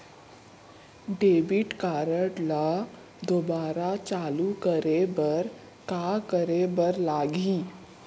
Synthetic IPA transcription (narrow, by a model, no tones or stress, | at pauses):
ɖeʋiʈkaɾəʈla | d̪obaɾat͡ɕalukəɾebəɾ | kakəɾebəɾlaɡiː